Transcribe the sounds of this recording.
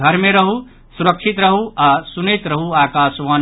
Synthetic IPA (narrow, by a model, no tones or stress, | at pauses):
ɡʱəɾmeɾəɦu | suɾəkʃʰit̪ɾəɦuaːsunet̪ɾəɦuaːkaːsʋaːn